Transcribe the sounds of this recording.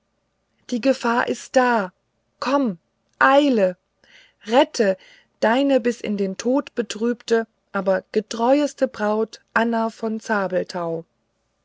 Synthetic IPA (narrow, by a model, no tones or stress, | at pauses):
d̥iːɡəfaːɐʔɪst̚d̥aː | kʰɔm | ʔaɪlə | ʁɛtʰə | d̥aɪnəbɪsɪ̰ndeːntʰoːtb̥ətʁ̥yːptə | ʔaːbɐɡ̥ətʁ̥ɔʏəstəbʁaʊtʔanɐfɔnt͡saːbl̩tʰaʊ